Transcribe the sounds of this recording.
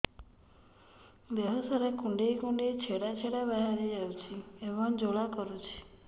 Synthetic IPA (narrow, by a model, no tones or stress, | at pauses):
d̪eɦɔsɔɾekuɳɖejkũɳɖejt͡ʃʰeɽat͡ʃʰeɽabaɦaɾid͡ʒawt͡ʃʰiebɔŋd͡ʒoɭakɔɾut͡ʃʰi̥